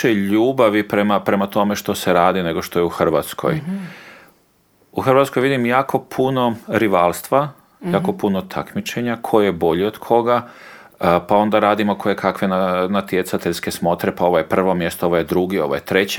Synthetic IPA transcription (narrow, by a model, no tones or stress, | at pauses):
eʎuːbaʋipɾemapɾe̞mat̪o̞me̞ʃt̪o̞se̞ɾaːd̪ine̞ɡo̞ʃt̪o̞jeuxr̩ʋat̪skʰo̞̰j | uxr̩ʋat̪skojʋid̪imjaːkʰo̞pʰuno̞ɾiʋalˠst̪ʋa | jaːko̞punot̪ʰa̰kmit͡ʃe̞ɲakʰo̞jjebo̞ʎiod̪̥kʰo̞ɡa | pao̞nd̪aɾaːd̪imo̞kʰo̞jekʰakʋe̞nanat̪je̞t̪sat̪eʎske̞smo̞t̪ɾe̞pao̞ʋojepr̩ʋo̞mje̞st̪ooʋojed̪ɾuɡio̞ʋo̰jet̪ɾe̞t͡ɕe